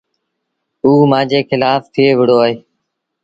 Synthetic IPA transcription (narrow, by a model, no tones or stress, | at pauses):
uːmãːd͡ʒeːxɪlaːft̪ʰɪeːʋɪɽoːaːɦeː